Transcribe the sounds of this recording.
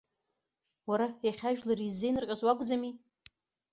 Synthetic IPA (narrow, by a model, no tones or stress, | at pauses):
waɾajaχʲaʒᶣlaɾizːejnɨrqʲʼazwakʷʼd͡zami